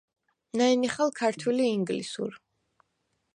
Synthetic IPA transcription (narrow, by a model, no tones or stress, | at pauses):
naɛniχalˠkʰaɾt̪ʰwɛliːŋɡlḭsṵɾ